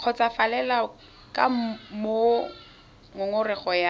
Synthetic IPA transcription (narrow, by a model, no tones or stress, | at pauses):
q͡χʰɔt͡safalɛla | ka̰m̩mo | ŋʊŋʊrɪχɔja